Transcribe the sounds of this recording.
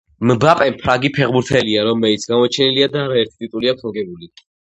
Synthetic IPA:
mbapʼɛmpʰɾaɡipʰɛʁbuɾt̪ʰɛliaɾɔmɛlit̪sʰɡamɔt͡ʃʰɛniliad̪aːɾaɛɾt̪ʰi̥t̪ʼit̪ʼuliakʰmɔɡɛbuli

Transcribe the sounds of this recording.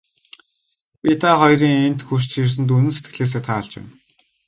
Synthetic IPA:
pit̪ʰaːχɔjriːŋen̥t̪xuʃt͡ɕxirs̬ɘ̆nt̪̬unɘ̆nset̪̚ɡɘ̆ɮeːs̬eːt̪ʰaːɮt͡ɕɪ̰m

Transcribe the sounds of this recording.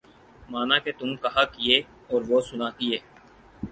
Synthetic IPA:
maːnaket̪ʊmkɐɦakɪeː | ɔːɾʋoːsʊnaːt̪iɦɛː

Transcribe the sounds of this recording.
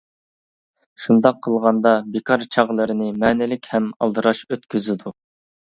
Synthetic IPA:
ʃund̪ɑqʰːəlˠʁɑnd̪ɑbekʰɑɾt͡ʃʰɑʁlˠɨɾɨnɨmɛːnɪlɪkʲhɛmɑ̰lˠd̪ɨɾɑʃøt̪kʲyzɪd̪u

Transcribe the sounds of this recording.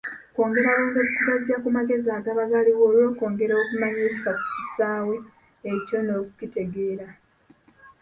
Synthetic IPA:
ko̞ːŋɡe̞ɾaβoːŋɡokukuɡaziakumaɡe̞zaːɡaβaɡaliwo̞ːlwo̞ːko̞ːŋɡe̞ɾaokumaɲeːβifaku̥tisaːwe̞ | eco̞no̞ːkucite̞ɡe̞ːɾa

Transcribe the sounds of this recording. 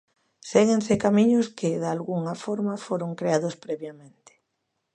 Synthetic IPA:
seɣẽnsekamiɲoskɪðalɣuŋafoɾmafoɾoŋkɾeaðospɾeβjamẽnt̪e̥

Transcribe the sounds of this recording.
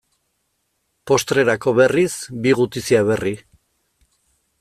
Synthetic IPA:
po̞st̪ɾe̞ɾako̞βe̞risbiɣut̪isiaβ̞e̞ri

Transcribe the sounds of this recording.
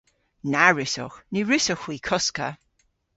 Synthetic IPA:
naɹɪsɔ̰xniɹɪsɔxwiːkʰɔskə̰

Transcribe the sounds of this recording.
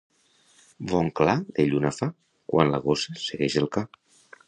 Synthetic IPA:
βɔŋklaðeʎunafa | kwa̰nlə̰ɣosəsəɣɛʃəlˠka

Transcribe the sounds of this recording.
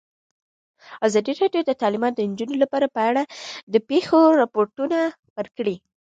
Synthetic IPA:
azɑd̪iɾɑɖjod̪ət̪ɑlɪmɑt̪̚d̪ənd͡ʒunolapɑɾapəaɽad̪əpexoɾapoɾʈuna | wəɾkɽi

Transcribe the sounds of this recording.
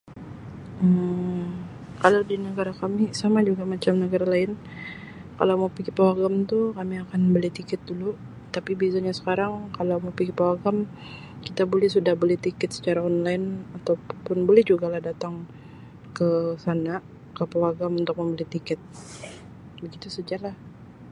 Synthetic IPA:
ə | kalawdinəɡaɾakamisamad͡ʒuɡamat͡ʃamnəɡaɾalaɪn | ka̰lawmawpiɡipawaɡamt̪ukamiakanbəliht̪ikɛt̪̚dulu | t̪apibizaɲasə̥kaɾaŋkalawmawpiɡipawaɡam | kit̪abolɛhsudahbəlɛht̪ikɛt̪sə̥t͡ʃaɾaɔnlaɪnat̪awpʊnbolɛhd͡ʒuɡalahdat̪aŋ | kəsana | kəpawaɡamunt̪ʊk̚məmbəlit̪ikɛt̪̚ | bəɡit̪usəd͡ʒalah

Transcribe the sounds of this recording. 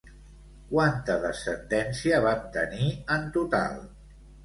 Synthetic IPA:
kwant̪əðəsənd̪ɛnsiəβap̚t̪əniənt̪ut̪a̰lˠ

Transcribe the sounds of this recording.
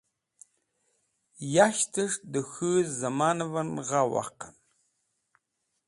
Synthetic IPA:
jaʃtʰɨʂdɨxɨzamanɨvɐnʁawa̰qan

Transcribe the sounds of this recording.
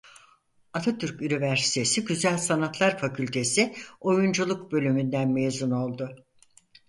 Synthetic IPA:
at̪ʰat̪ʰyɾcynivæɾsi̥t̪ʰe̞siɟyzælʲsanat̪lˠaɾfacʰylʲt̪ʰe̞sio̞jund͡ʒulˠukbø̞lʲymynd̪ænmejzuno̞lˠd̪ʊ

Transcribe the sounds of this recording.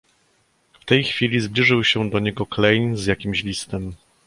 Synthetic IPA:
ft̪ɛjxfʲilʲizblʲiʐɘwɕɛd̪ɔɲɛɡɔklɛjnzjakʲimɕlʲist̪ɛm

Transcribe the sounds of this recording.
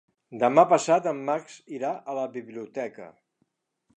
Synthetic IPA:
d̪əmapəsat̪əmːaksiɾaʔələβiβliut̪ɛkə̰

